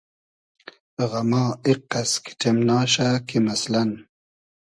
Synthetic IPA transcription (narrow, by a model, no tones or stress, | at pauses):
ʁamɑːiqːaskʰi̥ʈʰemnɑːɕakimaslan